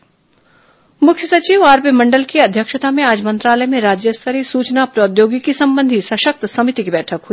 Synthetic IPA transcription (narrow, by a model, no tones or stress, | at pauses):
mʊkʰjəsɐt͡ʃiːʋaːɾpimɐ̃ɳɖəlkiɐd̪ʱjəkʃət̪amẽaːd͡ʒmɐ̃nt̪ɾaːləjmẽɾaːd͡ʒjəst̪ʰəɾisuːt͡ʃnapɾoːd̪joːɡikisɐ̃mbə̃nd̪ʱisɐʃək̚t̪sɐmɪt̪ikibɛːʈʰəkɦuiː